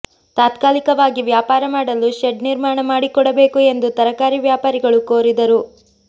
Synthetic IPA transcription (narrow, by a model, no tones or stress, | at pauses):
t̪aːt̪kaːlikɐʋaːɡiʋjaːpaːɾɐmaːɽɐluʃeɖniɾmaːɳɐmaːɽikɔɽɐbe̞ːkue̞nd̪ut̪ɐɾɐkaːɾiʋjaːpaːɾiɡɐɭukoːɾid̪ɐɾu